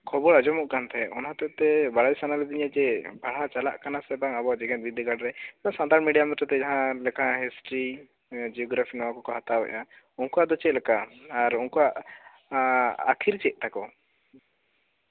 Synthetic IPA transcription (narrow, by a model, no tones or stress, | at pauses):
kʰɔbɔɽad͡ʒɔmɔʔkant̪ʰɛɔ̰nat̪ɛʔt̪ɛbaɽajsanalɛd̪iɲad͡ʒɛbʱaɽ̤at͡ʃala̰ʔkanasɛbaŋabɔad͡ʒɛɡɛ̃t̪̚bid̪ʱɛɡaɽɾɛãsand̪aɾnmiɖijamɛt̪ɾɛt̪ɛd͡ʒaɦãlɛkʰãɦɛsʈɾi | d͡ʒiɔɡɾapʰinɔwakɔkɔɦat̪abɛ̰ʔa | unkɔad̪ɔt͡ʃɛʔlɛkaːɾunkɔwaʔ | a̰kʰiɾt͡ʃɛʔ̚ˀt̪akɔ